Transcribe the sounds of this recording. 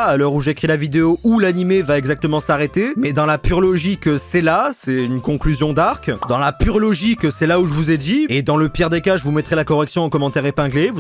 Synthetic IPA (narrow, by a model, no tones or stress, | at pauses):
alœʁuʒekχilavid̪eoʔulanimevaɛɡzak̚t̪əmɑ̃saʁet̪emɛd̪ɑ̃lapyʁlɔʒiksɛlasɛynkɔ̃klyzjɔ̃d̪aʁkd̪ɑ̃lapyʁlɔʒiksɛlauʒəvuzɛd̪ied̪ɑ̃ləpjɛʁd̪ekaʒəvumɛt̪χɛlakɔʁɛksjɔ̃ɑ̃kɔmɑ̃t̪ɛʁepɛ̃ɡlevu